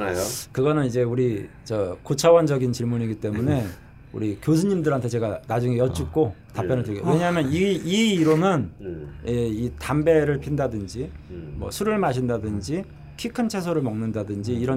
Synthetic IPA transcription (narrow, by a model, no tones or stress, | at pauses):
kɯɡʌnɯnid͡ʑe̞uɾit͡ɕʌkot͡ɕʰawʌnd͡ʑʌɡint͡ɕiɭmuniɡit͈e̞mune̞ | ṵɾikjos̬ʰuɲimdɯɾɦantʰet͡ɕe̞ɡanad͡ʑuŋejʌt͡ɕ͈uk̚k͈otappjʌnɯɭtʰɯɡewe̞ɲaɦmjʌniiːɾonɯneitambe̞ɾɯɭpʰindadɯnd͡ʑimwʌ̰sʰuɾɯɭmaɕʰindadɯnd͡ʑi | kʰikʰɯnt͡ɕʰes̬ʰoɾɯɭmʌŋnɯndadɯnd͡ʑiːɾʌ